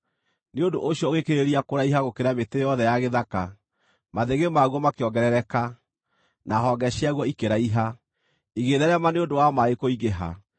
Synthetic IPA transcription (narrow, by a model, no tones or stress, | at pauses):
neondoʔoɕjɔoɣekeɾeɾiakoɾaiɦaɣokeɾametejɔðɛjaɣeðaka | maðeɣemaɣwɔmakeɔŋɡɛɾɛɾɛka | naɦɔɡɛɕiaɣwɔikeɾaiɦa | iɣeðɛɾɛmaneondowamaekoiɣeɦa̰